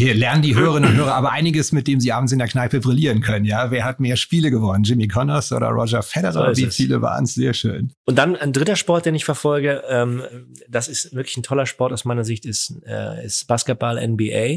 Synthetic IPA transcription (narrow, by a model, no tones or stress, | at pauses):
helɛɐnəndiːɦøːʁəʁɪnʊnthøːʁɐʔaːbɐʔaɪnɪɡəsmɪt̚d̥eːmziːʔaːbm̩s̬ɪndeːɐknaɪpəbʁɪliːʁənkʰœnənjaːveːɐhatmeːɐʃpiːləɡəvɔnənd͡ʒɪmikʰɔnɔsʔo̰ːdɐ̰ʁɔ̰d͡ʒɐfɛɾəʁaviːfiːləva̰ːʁənsz̥eːɐʃø̰ːnʔʊnt̚d̥anaɪndʁɪtɐʃpɔɐt̚d̥eːnɪçfɛɐfɔlɡəʔɛːm | d̥asɪstvɪɐklɪçn̩tʰɔlɐʃpɔɐtaʊsmaɪnɐzɪçtɪstɛ̰ːɪ̰stb̥aːskɛt̚b̥alʔɛ̰nbiʔeɪ